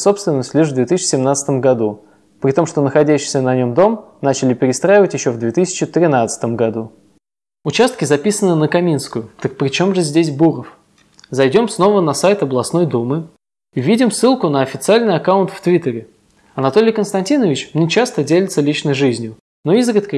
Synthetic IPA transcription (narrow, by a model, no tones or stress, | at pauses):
so̞pst̪vʲɪnːəsʲtʲlʲɪʂvd̪vʲet̪ɨs̬ʲt͡ɕːɪsʲɪmnat̪sə̥t̪əmɡɐd̪u | pɾʲɪt̪o̞mʂt̪o̞nəxɐdʲæɕːɪ̥jsʲənɐnʲo̞md̪o̞m | nat͡ɕɪlʲɪpʲɪɾʲɪst̪ɾajɪvətʲjɪɕːovd̪vʲet̪ɨsʲɪ̥t͡ɕɪt̪ɾʲɪnat̪sə̥t̪əmɡɐd̪u | ʊt͡ɕast̪̚kʲɪzɐpʲisənɨnəkɐmʲinskʊjʊt̪ək̚pɾʲɪt͡ɕo̞mʐɨzʲdʲesʲbuɾəf | zɐjdʲo̞msno̞vənɐsajt̪ɐblˠɐsno̞jd̪umɨ | vʲidʲɪmsːɨlˠkʊnəɐfʲɪt̪sɨalʲnɨjɐkaʊnt̪ft̪vʲit̪əɾʲɪ | ɐnɐt̪o̞lʲɪjkənst̪ɐnʲtʲinəvʲɪt͡ɕmnʲet͡ɕast̪ədʲelʲɪt̪səlʲit͡ɕnəjʐɨzʲnʲjʊ | no̞izɾʲɪt̪kə